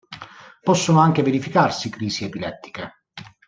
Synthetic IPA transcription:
pɔsːonʊaŋk̟eveɾifikarsikɾiːsiepilɛt̪ːi̥ke

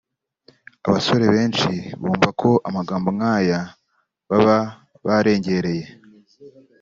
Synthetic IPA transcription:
a̰βaso̞ɾe̞βe̞ːnʃiβuːɱvakʰo̞ʔamaɡaːmboŋaːja | βaβa | βaɾe̞ːɲɟe̞ɾe̞je̞

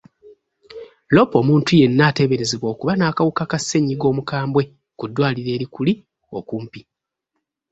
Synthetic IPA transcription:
lo̞po̞muːntuje̞nːaːte̞βe̞ɾezeβwo̞ːkuβanaːkawukakasːe̞ɲiɡo̞ːmukaːmbwe̞ | kudːwaːliɾe̞ːɾikuli | o̞̰kuːmpi

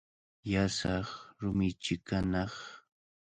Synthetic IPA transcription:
jasɑχɾʊmɪt͡ʃɪkanɑχ

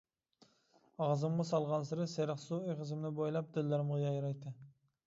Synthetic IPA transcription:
ɑʁzɨmʁɑsɑlˠʁɑnsɪɾɪseɾɪχsuejqəzɪmnɪbojlˠɑp̚d̪ɪlːɪɾɪmʁɑjɑjɾɑjt̪ɨ

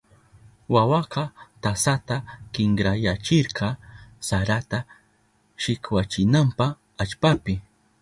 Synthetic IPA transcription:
wawɑqɑt̪asat̪akɪŋɡɾajat͡ʃɪɾqɑsaɾat̪a | ʃɪkwat͡ʃɪnampɑ | at͡ʃpapɪ

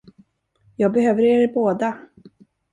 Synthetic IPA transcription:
jɑːɡ̚bɛɦøːvəɾeɾɪboːd̪a

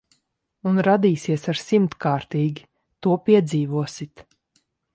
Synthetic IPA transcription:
unɾad̪iːsiɛsaɾsimt̪kaːɾt̪iːɡʲi | t̪uɔpʲiɛd̪ziːvuɔsit̪

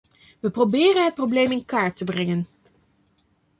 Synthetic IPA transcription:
ʋəprowbɪːrənɦət̚prowblejmɪnkaːɹtəbrɛŋən

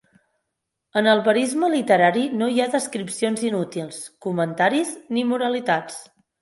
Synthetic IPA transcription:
ənəlˠβəɾizməlit̪əɾaɾinoiaðəskɾipsionzinut̪ilˠskumənt̪aɾiznimuɾəlit̪at͡s

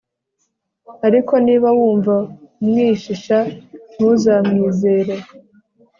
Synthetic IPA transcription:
aɾiko̞niːβawuːɱvaumŋiːʃiʃan̥uzamŋiːze̞ːɾe

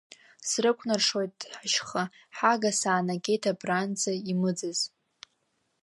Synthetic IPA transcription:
srɨkʷʰnarʂojtʼħaʃχa | ħaɡasaːnaɡʲʼe̞jtʰabrand͡zaimɨd͡zɨz

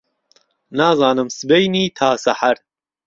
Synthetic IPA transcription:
naːzɑːnɨmsɨbejniːt̪ʰaːsɐħaɾ

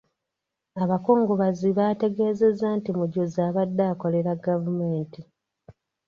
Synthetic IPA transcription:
aβako̞ːŋɡoβaziβate̞ɡe̞ːze̞zantimuɟozaːβadːaːko̞le̞ɾaɡavume̞ːnti

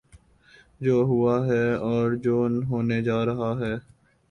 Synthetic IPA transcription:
d͡ʒoːɦʊaɦɛːɔːɾd͡ʒoːnɦoːned͡ʒaːɾɐɦaɦɛː

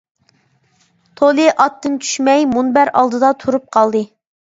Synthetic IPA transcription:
t̪ʰolˠɨʔɑt̪ːɨnt͡ʃʰy̥ʃmɛjmunbæɾɑ̰lˠd̪ɨd̪ɑt̪ʰuɾup̚qʰɑlˠd̪ɨ

